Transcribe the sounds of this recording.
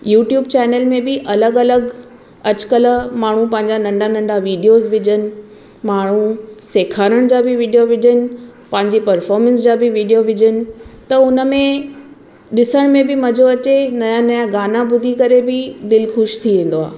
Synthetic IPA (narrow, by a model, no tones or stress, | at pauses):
juːʈjuːb̚t͡ɕɛːnəlmẽbɪʔɐləɡɐləɡ | ɐt͡ɕkələ̆maːɳ̤ũpɐ̃ɦɪ̃ɲd͡ʑanɐ̃ɳɖanɐ̃ɳɖaʋiːɖijozʋɪd͡ʑʱənɪ̆ | maːɳ̤useːkʰaːɾəɽ̃d͡ʑaːbɪʋiːɖijoʋɪd͡ʑʱənɪ̆pɐ̃ɦɪ̃ɲd͡ʑepɐɾfɔːɾmə̃nsd͡ʑaːbɪʋiːɖijoʋɪd͡ʑʱənɪ̆t̪ɐʊnə̆mẽ | ɗɪsəɽ̃mẽbɪmɐd͡ʑʱoɐt͡ɕenɐjãnɐjaɡaːnabʊd̪ʱikɐɾebɪd̪ɪlxʊʃt̪ʰiʋẽːn̆d̪oa̰ː